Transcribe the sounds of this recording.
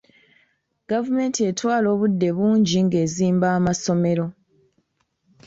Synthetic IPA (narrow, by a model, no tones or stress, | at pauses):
ɡ̥avume̞ːntie̞twaːlo̞ːβudːe̞βuːɲɟiŋɡe̞ːziːmbaːmaso̞me̞ɾo̞